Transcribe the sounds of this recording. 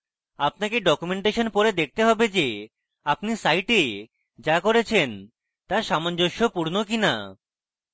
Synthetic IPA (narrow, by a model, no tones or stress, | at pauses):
apnakeɖɔkumeɳʈeʃonpoɾed̪ek̚ʰt̪eɦɔbed͡ʑe | apnisajʈe | d͡ʑakoɾet͡ɕʰen | t̪aʃamand͡ʑoʃːopuɾnokina